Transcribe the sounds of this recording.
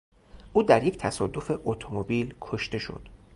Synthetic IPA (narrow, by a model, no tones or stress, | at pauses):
ʔuːd̪æɾje̞ct̪ʰæsɒːd̪o̞fe̞ʔot̪ʰomobiːlkʰo̞ʃt̪e̞ʃo̞̰d̪̥